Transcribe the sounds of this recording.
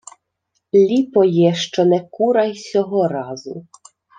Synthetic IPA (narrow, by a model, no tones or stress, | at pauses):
lʲipɔjɛʃt͡ʃɔnɛkuɾɐjsʲɔɦɔɾɑzʊ̰